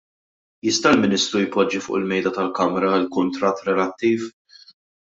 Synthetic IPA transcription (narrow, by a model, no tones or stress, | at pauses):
jɪst̪ɐɪlmɪnɪst̪ɾujpɔd͡ʒːifʊ̰ːʔɪlmɛjd̪ɐt̪ɐlkɐmɾɐlkʊnt̪ɾɐt̪ːɾɛlɐt̪ːiːf